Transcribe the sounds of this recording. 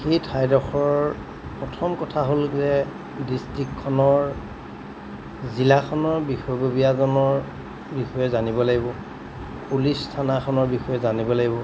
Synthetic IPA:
xejtʰajdɔxɔɹ | pɹɔtʰɔmkɔtʰaɦolzɛ | distɹikʰːɔnɔɹ | zilakʰɔnɔɹbixɔjbobiazɔnɔɹ | bixɔjɛzanibɔlaɡibɔ | pulistʰanakʰɔnɔɹbixɔjɛzanibɔlaɡibɔ

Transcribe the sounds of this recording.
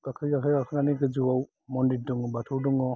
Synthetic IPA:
ɡakʰɯjɡakʰɯjɡakʰɯnaniɡɯd͡ʒuwaw | mɔndiduŋɔbatʰuduŋɔ

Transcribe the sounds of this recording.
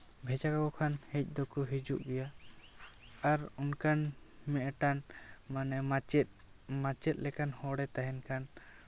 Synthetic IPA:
bʱɛd͡ʒakakɔkʰanhɛc̚ˀd̪ɔkɔɦid͡ʒuʔɡɛja | aɾunkʰan | mɛʔʈanmanɛmaɛt̪̚ | mat͡ʃɛt̪̚ˀlɛkanhɔɽɛt̪aɦɛnkʰan

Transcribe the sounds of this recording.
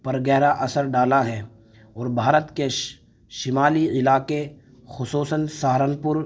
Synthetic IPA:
pɐɾɡɛːɾaʔɐsəɾɖaːlaɦɛː | ɔːɾbʱaːɾət̪ke | ʃɪmaːliɪlaːke | xʊsuːsənsaːɾənpʊɾ

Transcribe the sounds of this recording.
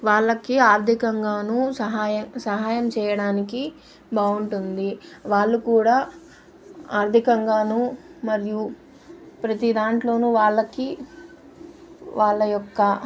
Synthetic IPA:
ʋaːɭːɐkiaːɾd̪ʱikɐŋɡaːnuːsɐɦaːjɐsɐɦaːjɐmt͡ʃɛːjɐɽaːniki | bʱaːuɳʈund̪iʋaːɭːukuːɽaː | aːɾd̪ʱikɐŋɡaːnuːmɐɾju | pɾɐt̪id̪aːɳʈlo̞ːnuːʋaːɭːɐki | ʋaːɭːɐjɔkːɐ

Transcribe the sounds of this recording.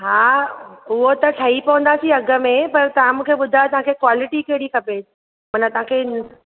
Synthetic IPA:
ɦaːʊɦot̪ɐʈʰɐipɐʋə̃nd̪asiɐɡəmẽpɐɾt̪ɐʋ̤ãmũːkʰeːɓʊd̪ʱajt̪ɐʋ̤ɦãkʰekwaːlɪʈikeɦɪɽikʰɐpe | mɐnət̪ɐʋ̤ãkʰen

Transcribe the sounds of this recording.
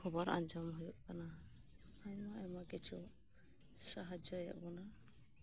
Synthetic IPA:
hɔbaɾa̰nd͡ʒɔmɦɔjɔʔkana | ajmɔɛmakɛt͡ʃʰɔ | saɦad͡ʒɔja̰ʔbɔna

